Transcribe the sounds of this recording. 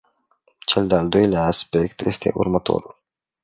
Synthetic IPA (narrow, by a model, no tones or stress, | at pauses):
t͡ʃe̞ld̪eald̪o̞jleaːspe̞kt̪je̞st̪e̞̰ʔṵrmət̪o̞̰ɾul